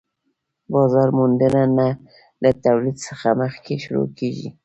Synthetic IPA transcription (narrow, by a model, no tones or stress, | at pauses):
bɑzɑɾmund̪ənana | lat̪awlid̪səxaməxkeʃʊɾo̰keʒḭ